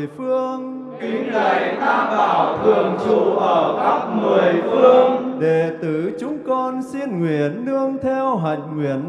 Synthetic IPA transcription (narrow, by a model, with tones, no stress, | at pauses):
jfɨ˧əŋ | ki˨˦ŋ̟lə˧˩jt̪aː˧mvaː˨˩wt̪ʰɨ˨˩əŋt͡ɕṵ˧˨ʔəː˧˩ka˦˥p̚mɨ˨˩əjfɨ˧əŋɗe˧˩t̪ɨ̰˧˩t͡ɕʊ˨˦ŋ͡mkɔ˧nsi˧nŋwḭ˧˨ənːɨ˧əŋt̪ʰɛ˧wɦa̰˨jŋ̟ŋwḭ˧˨ən